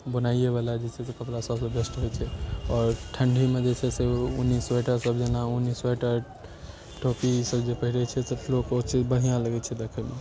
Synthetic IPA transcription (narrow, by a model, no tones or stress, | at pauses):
bənaieβalad͡ʒet͡ʃʰɛsokəplasəbsẽbesʈɦejt͡ʃʰɛɔːɾʈʰəɳɖʱimed͡ʒet͡ʃʰɛseunːisweʈəɾsəbd͡ʒenaunːiswaʈəɾ | ʈʰopisəbd͡ʒepəɦiɾɛt͡ʃʰɛsəlokot͡ʃid͡ʒbəɦijãləɡɛt͡ʃʰɛd̪ekʰəme